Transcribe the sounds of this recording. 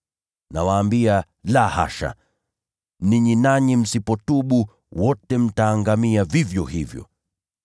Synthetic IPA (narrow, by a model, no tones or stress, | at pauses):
nawaːmbia | laha̰ʃa̰ | niɲinaɲim̩sipɔtuɓu | wɔtɛm̩taːŋɡamiavivjɔhivjɔ̰